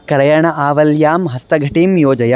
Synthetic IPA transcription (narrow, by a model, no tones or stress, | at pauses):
kɐɾɐjaɳɐʔaːʋɐljaːmɦɐst̪ɐɡʱɐʈiːmjoːd͡ʒɐja